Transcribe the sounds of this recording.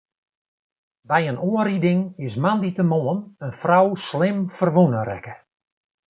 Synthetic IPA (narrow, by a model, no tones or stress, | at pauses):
bɛjənoəridɪŋɪsmanditəmoənənfrawslɪmfərʋunərɛ̰kə